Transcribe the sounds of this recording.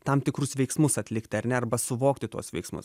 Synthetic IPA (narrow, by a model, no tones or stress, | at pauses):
t̪ɐmt̪ʲɪkɾʊsʋʲɛɪksmʊsɐt̪ʲlʲɪkt̪ʲɪɐɾʲnʲɛɐɾbɐsʊʋoːkt̪ʲɪt̪uɔsʋʲɛɪksmʊ̰s